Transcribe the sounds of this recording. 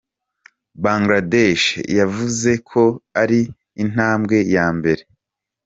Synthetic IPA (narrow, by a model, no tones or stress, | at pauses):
baːŋɡladeʃjavuze̞kʰo̞aɾiː | n̥aːmɡe̞jaːmbe̞ɾe̞